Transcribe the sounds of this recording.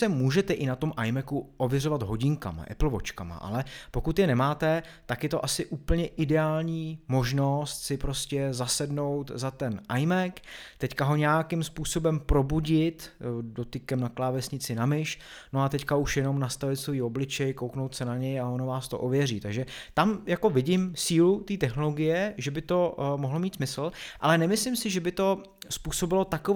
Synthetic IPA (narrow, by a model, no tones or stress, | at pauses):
sɛmuːʒɛt̪ɛʔɪnat̪o̞mʔajmɛkuʔo̞vjɛɾo̞vad̪ɦo̞ɟɪŋka̰ma̰ʔɛ̰pl̩vo̞t͡ʃkama̰ʔa̰lɛpo̞kut̪jɛnɛmaːt̪ɛt̪akjɛt̪o̞ʔasɪʔuːpl̩ɲɛʔɪdɛaːlɲiːmo̞ʒno̞st̪sɪpɾo̞scɛzasɛdno̞wt̪zat̪ɛnʔajmɛkt̪ɛckaɦo̞ɲɛakɪmspuːso̞bɛmpɾo̞buɟɪt̪do̞t̪ɪkɛmnaklaːvɛsɲɪt͡sɪnamɪʃno̞at̪ɛckauʃjɛno̞mnast̪avɪt̪soiːo̞blɪt͡ʃɛjko̞wknowt̪sɛnaɲɛjao̞novaːst̪o̞̰ʔovjɛriːt̪aɡʒɛt̪amjako̞vɪɟɪmsiːlut̪iːt̪ɛxno̞lo̞ɡɪjɛʒɛbɪt̪o̞moɦlo̞miːt̪smɪsl̩ʔa̰lɛnɛmɪslɪmsɪʒɛbɪt̪o̞ | spuːso̞bɪlo̞t̪ako